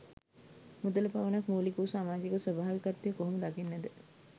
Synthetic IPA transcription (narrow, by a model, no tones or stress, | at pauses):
mud̪ələpaʋənakmoːlikuːsaːmaːd͡ʒikəsəbʱaːʋikat̪ːjəkoɦoməd̪akinːæd̪ə